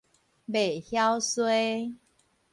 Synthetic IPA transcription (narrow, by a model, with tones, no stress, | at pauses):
be˨˩hja˦wswe˦